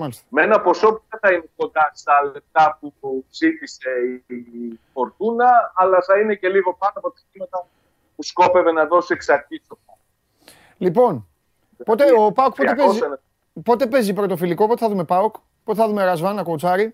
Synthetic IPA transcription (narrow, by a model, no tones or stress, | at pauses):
mɐlist̪ɐ̥menɐpo̞so̞puðeθɐineko̞nd̪ɐst̪ɐlep̚t̪ɐp̚uzit̪ise̞iifo̞ɾt̪unɐːlɐθɐine̞ce̞liɣo̞pɐnoɐpot̪ɐ̥cimɐt̪ɐ | pusko̞pe̞ve̞nɐðo̞sieksɐɾtisofo | lipo̞n | po̞t̪eopɐok̚poepez | po̞t̪e̞pe̞zipɾot̪ofiliko̞po̞t̪e̞θɐðumepɐuk | po̞t̪eθɐðumeɾɐzvɐnɐkout͡sɐɾi